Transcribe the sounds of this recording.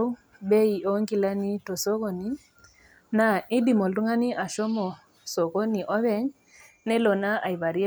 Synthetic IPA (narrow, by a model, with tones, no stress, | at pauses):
be˦i˨o˦ŋɡi˦la˦ni˦tɔ˨so˦ko˨ni˦ | na˨i˦di˨mo˨ldu˦ŋa˦ni˦a˨ʃɔ˦mɔ˨ | so˨ko˦ni˨ʔɔ˦βɛ˦ɲ | nɛ˦lɔ˨na˦ʔa˨i˨βa˨ɾi˦e˦